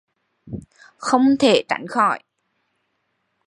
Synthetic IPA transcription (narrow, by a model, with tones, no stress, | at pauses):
xə˧wŋ͡mt̪ʰe˧˩t͡ɕa̰˧˩jŋ̟xɔ˧˩˨j